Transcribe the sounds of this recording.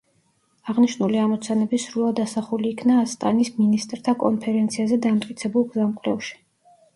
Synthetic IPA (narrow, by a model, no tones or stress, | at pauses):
aʁniʃnuliamɔt̪sʰanɛbisɾulˠad̪asaχuliːkʰnaːst̪ʼa̰nisminist̪ʼɾt̪ʰakʼɔ̰npʰɛɾɛnt̪sʰiazɛd̪amt̪ʼkʼit̪sʰɛbulˠɡzamkʼɾɛfʃi̥